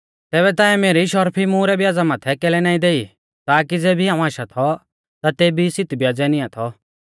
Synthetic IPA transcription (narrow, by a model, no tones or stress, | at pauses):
t̪ɛːβɛt̪̬ãːɛmeːɾiʃɔɾpʰimũɾɛbjaːd͡zamaːt̪ʰɛkɛlɛnaːĩd̪eːi | t̪aːkid͡zɛːbʱiɦãːũaːʃat̪ʰɔ | t̪at̪eːbisɪt̪bjaːd͡zɛnɪ̃ãt̪ʰɔ